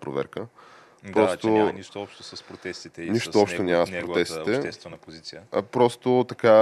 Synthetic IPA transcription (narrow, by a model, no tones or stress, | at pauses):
pɾo̰vɛ̰ɾkə | pɾɔst̪oniʃt̪oɔpʃt̪osɐspɾot̪ɛst̪it̪ɛniʃt̪oɔpʃtt̪onʲaməspɾoɛst̪it̪ɛɛst̪vɛnpozit̪siəpɾɔst̪ot̪ɐka